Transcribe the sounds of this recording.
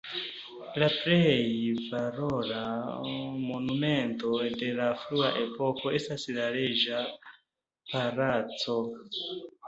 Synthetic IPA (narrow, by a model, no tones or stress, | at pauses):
lapɾejvaɾoɾa | mo̞nume̞nto̞de̞lafɾuaʔe̞po̞ko̞e̞staslaɾed͡ʒa | paɾat͡so̞